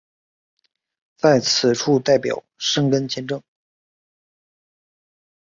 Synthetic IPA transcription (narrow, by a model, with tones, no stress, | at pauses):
t͡sa˥˩ɪt͡sʰɹ̩˨˩ʈ͡ʂʰu˥˧t̪a˥˩ɪpjɑ̰˨˩˦ʊʂɤ˥ŋkə˥nt͡ɕjɛ˥˧nʈ͡ʂɤ˥˩ŋ